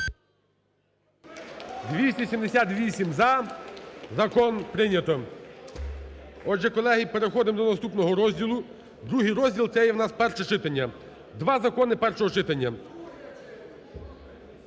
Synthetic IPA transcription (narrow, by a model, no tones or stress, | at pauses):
d̪ʋʲisʲtʲɐsʲimd̪esʲat̪ʋʲisʲimzɐ | zɐkɔnpɾɪnʲɐt̪ɔ | ɔʒɛkɔlˠɛɦipeɾexɔd̪ɪmd̪ɔnɐst̪upnɔɦɔɾɔzʲdʲilˠʊ | d̪ɾuɦijɾɔzʲdʲilˠt̪sɛjɛwnɑspɛrʃɛt͡ʃɪt̪ɐnʲːɐ | d̪ʋɑzɐkɔnɪpɛrʃɔɦɔt͡ʃɪt̪ɐnʲːɐ